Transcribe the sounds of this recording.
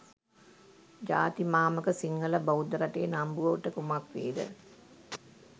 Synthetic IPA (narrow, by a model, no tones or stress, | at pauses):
d͡ʒa̰ːt̪imaːməkəsiŋɡələbəud̪əɾaʈeːnambuʋəʋʈəkumakʋeːd̪ə̰